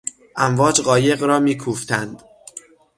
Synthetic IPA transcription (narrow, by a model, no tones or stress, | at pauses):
ʔæmvɒːd͡ʒɢɒːje̞ɣɾɒːmiːkʰuːft̪ʰænd̪̥